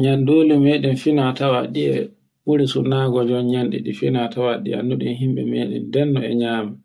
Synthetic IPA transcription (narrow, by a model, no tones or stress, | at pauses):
ɲandoːlimeɗɛmfinatawaɗiɛ̰ | ɓuɾisunaɡɔd͡ʒɔnɲanɗɛ̰ɗifinatawaɗḭa̰nːuɗinɦimɓɛ̰meːɗɛ̰ndɛnːɔɛ̰ɲaːma